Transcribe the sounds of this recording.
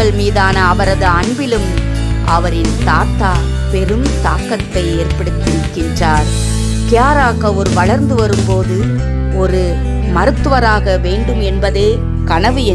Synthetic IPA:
ɐɭmiːðaːnɐːʋɐɾɐðɯɐɳbɪlɯm | ʔɐʋɐɾɪnt̪aːt̪ːaː | pɛɾɯmt̪aːkːɐt̪ːɐɪeːɾpɐɽɯt̪ːɪʋɪkːɪndraːɾ | kɪjaːɾaːɣɐɔɾɯʋɐɭɐɾnd̪ɯʋɐɾɯmpoːðɯ | ɔɾɯ | mɐɾɯt̪ːɯʋɐɾaːɣɐʋeːɳɖɯmɛnbɐðeː | kɐɳɐʋɯɛ

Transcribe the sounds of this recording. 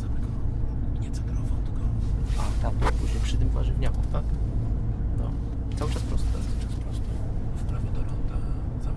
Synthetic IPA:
zamɛɡɔ | ɲɛt̪sɛt̪ɾɔvawt̪ɛɡɔat̪abpuʑɲejpʂɘt̪ɘmvaʐɛvɲakut̪ak | nɔ̰ | t̪sawɘt͡ʂaspɾɔst̪a̰st͡ʃaspɾɔst̪ɛfpɾavʲjɛd̪ɔlɔnd̪aza

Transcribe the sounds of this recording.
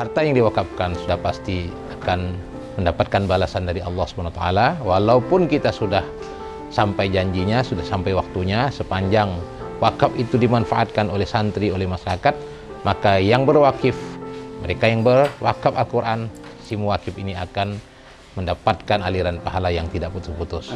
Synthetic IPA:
hart̪ajaŋdiwakap̚kansudahpast̪i | akan | məndapat̪̚kanbalasandaɾiɑlːɑhsə̥banwat̪aʔa̰lawalaupʊnkit̪asudah | sampajd͡ʒaɲd͡ʒiɲasudahsampajwak̚t̪uɲasəpaɲd͡ʒaŋ | wakafit̪udimanfaʔat̪̚kanolɛhsant̪ɾiolɛhmaʃaɾakat̪̚ | makajaŋbərwakɪfməɾekajaŋbərwakapalkuɾʔansimuwakɪfiniakan | məndapat̪̚kanaliɾanpaɦalajaŋt̪idaʔput̪ʊsput̪ʊs

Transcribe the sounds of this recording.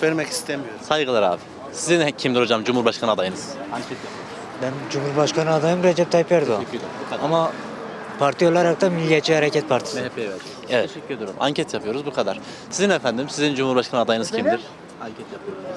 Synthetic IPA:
veɾmɛci̥st̪ʰemijosajɡɯlˠaɾa̰ːbɪ | sizinɛcʰimd̪iɾho̞d͡ʒamd͡ʒumuɾbaʃkʰanɯad̪ajɯnɯz̥aɛt̪japʰɯjo | bɛnd͡ʒumuɾbaʃkʰanɯad̪ɑjɯmɾɛd͡ʒɛp̚t̪ʰɑjpvɛɾd̪ɪɑmɑ | pʰaɾt̪ʰijolˠaɾak̚t̪ɑmilːijat͡ʃʰihaɾɛcʲʰɛt̪̚pʰaɾt̪ʰi̥sɛpʰːejɛvɛɾd͡ʒɛ | ɛvɛyd̪uɾṵma̰ɲcʰɛt̪ʰjapʰɯjo̞ɾuzbukʰad̪aɾ̥ | sizinefænd̪imsizind͡ʒumhuɾbaʃkʰanɯad̪ajɯnɯzkcʰimd̪iɾ̥ | aŋcʰɛt̪japʰɯjoɾ

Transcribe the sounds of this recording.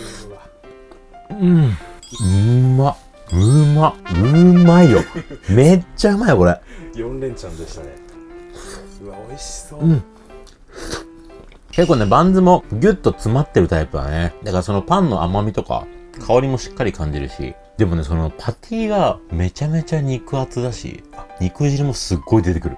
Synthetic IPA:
ɯ̃ | ɯma | ɯ̟maɯ̟maijome̞t͡ɕːaɯ̟maioko̞ɾe | ɯ̟̃ɴ | ke̞kːoːnebãnd͡zɨmo̞ɡʲɯ̟t̪ːo̞t͡sɨmat̪ːe̞ɾɯ̟t̪aipɯ̟d̪a̰ned̪akaɾaso̞no̞pãnːo̞ʔa̰mamʲit̪o̞ka̰kʰao̞ɾʲimo̞ɕi̥kːaɾʲikãɲ̟d͡ʑiɾɯ̟̰ɕḭ | d̪e̞mo̞ne̞so̞no̞pʰat̪ʲʰiːɡame̞t͡ɕame̞t͡ɕaɲ̟ikɯ̟at͡sɨd̪aɕḭaɲ̟ikɯ̟ʑiɾɯmo̞sɨɡːo̞id̪e̞t̪e̞kɯ̟ɾɯ̟

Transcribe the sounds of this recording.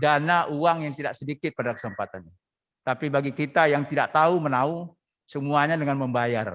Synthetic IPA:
danaʔuaŋjaŋt̪idaʔsədikɪt̪̚padakə̥səmpat̪an | t̪apibaɡikit̪ajaŋt̪ida̰ʔt̪aumənau | səmuaɲadəŋanməmbajar

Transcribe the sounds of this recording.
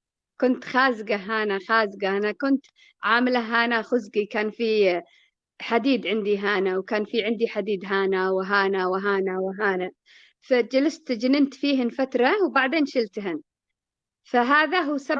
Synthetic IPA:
kʊnt̪xaːzɡaɦaːnaxaːzɡaʔanakʊnt̪ | ʕaːmɪlaɦaːnaxʊzɡikaːnfi | ħad̪iːd̪ʕɪnd̪iɦaːnawkaːnfiʕɪnd̪iħad̪iːd̪ɦaːnawɪɦaːnawɦaːnawɪɦaːna | fad͡ʒalast̪d͡ʒɪnɪnt̪fiːɦɪnfat̪ɾˤɑwbaʕd̪eːnʃɪlt̪ɦɪn | faɦaːðaɦuːsa

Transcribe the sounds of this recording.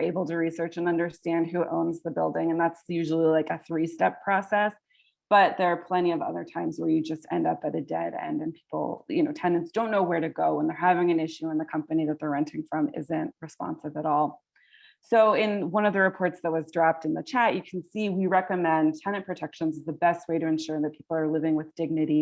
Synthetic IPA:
eɪbl̩ˠtʰɨɹisɜ˞t͡ʃɨ̃nʌ̃ndə˞stæ̃ndɦʉʔõ̰ʊ̃nzðɨbɪ̰lˠdɪ̃ŋɨ̃nðætsjʉʒl̩ˠilaɪkɨθɹistɛpʰɹ̥ɔsɛs | b̥ʌt̪̚ðə˞ːpʰl̥ɛ̃ɾ̃iʌvʌ̰ðə̰˞tʰãɪ̃mzwə˞jɨd͡ʒʌstɛ̰̃ndʌp̚atðɨdɛ̰ɾɛ̰̃nɨ̃npʰi̥pl̩ˠjɨ̰noʊtʰɛ̃nɨ̃ntsd̥õʊ̃nːoʊwə˞ɾɨɡoʊə̃nðə˞ɦævɪ̃ŋɨ̃nɪʃʉə̃nðɨkʰʌ̃mpɨniðɨt̪̚ðə˞ɹɛ̃ntɪ̃ŋfɹʌ̃mɪ̰zɨ̃nʔɹɨspɑ̰̃nsɨvɨɾɔlˠ | soʊɪ̃nwʌ̃nʌvðɨɹɨpʰɔɹtsðɨt̚wʌzdɹɑp̚tɨ̃nðɨt͡ʃʰæʔɨkʰn̩siwiɹɛkɨmɛ̃ntʰɛ̃ñɨpʰɹ̥ɨtʰɛkʃɨ̃nzɨzðɨbɛst̚weɪɾɨɨ̃nʃʊɹðɨt̚pʰi̥pl̩ˠə˞lɪvɪ̃ŋwɨðdɪɡ̚nɨɾi

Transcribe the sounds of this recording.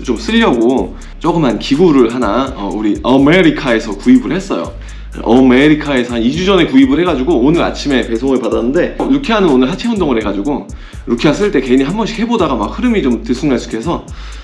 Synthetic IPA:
t͡ɕoms͈ɯʎːʌɡo | t͡ɕ͈oɡɯmɦankiɡuɾɯɭɦanaʌ̰uɾiʔʌmeɾikʰae̞sʰʌkuibɯɭhe̞s͈ʌ̰jo̰ | ʔʌme̞ɾikʰae̞sʰʌhanid͡ʑud͡ʑʌne̞kuibɯɭhe̞ɡad͡ʑuɡoonɯɾa̰t͡ɕʰime̞pe̞sʰoŋɯɭpadanːɯnde̞ɾukʰianɯnonɯɭɦat͡ɕʰeundoŋɯɭhe̞ɡad͡ʑuɡo | ɾukʰias͈ɯɭt͈e̞ke̞iniɦambʌnɕʰi̥he̞bodaɡamak̚hɯɾɯmit͡ɕomtɯs͈ʰuŋas͈u̥kʰe̞sʰʌ

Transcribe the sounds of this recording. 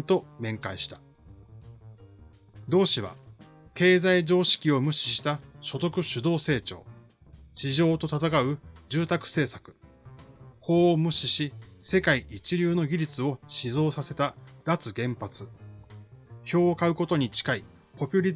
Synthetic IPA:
t̪o̞mẽ̞ŋkaiɕi̥t̪ḁ | d̪o̞ːɕiβa̰ | ke̞ːzaid͡ʑo̞ːɕi̥kʲio̞mɯ̟ɕi̥ɕi̥t̪aɕo̞t̪o̞kɯ̟ɕɨd̪o̞ːse̞ːt͡ɕo̰ː | ɕiʑo̞ːt̪o̞t̪at̪akaɯ̟d͡ʑɨːt̪akɯ̟̥se̞ːsakɯ̟̥ | ho̞ːmɯ̟ɕiɕise̞kaiʔit͡ɕiɾʲɨːno̞ɡʲiɾʲit͡sɨo̞ɕizo̞ːsase̞t̪ad̪at͡sɨɡẽ̞mpat͡sɨ | ço̞ːkaɯ̟ko̞t̪o̞ɲ̟it͡ɕi̥kai | po̞pʲɯɾʲi

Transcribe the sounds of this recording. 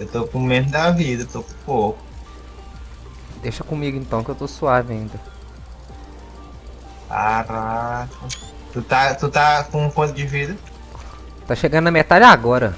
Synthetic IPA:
ewt̪okũmẽmʊd̪ɐvid̪ɐet̪okũpokʊ | d̪eʃɐkõmiɡʊẽnt̪ɐ̃w̃kɪewt̪osuavɐ̃ĩnd̪ɐ | kaɾakɐ | t̪ut̪at̪ut̪akõũkõt̪ʊd͡ʒɪvid̪ɐ | t̪aʃeɡɐ̃nd̪ʊɐmet̪ad͡ʒaɡɔɾɐ

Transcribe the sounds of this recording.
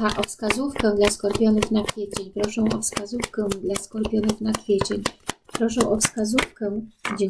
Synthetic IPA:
aʔɔfskazufkɛd̪laskɔɾpʲjɔnɘxnakfʲjet͡ɕeɲpɾɔʂɛ̃w̃ʔɔfskazufkɛd̪laskɔɾpʲjɔnɘxnakfʲjet͡ɕeɲpɾɔʂɛw̃ʔɔfskazufkɛd͡ʑɛ

